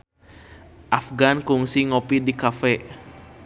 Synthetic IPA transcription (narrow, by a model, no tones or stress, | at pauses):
ʔafɡankuŋsiŋopidikafɛ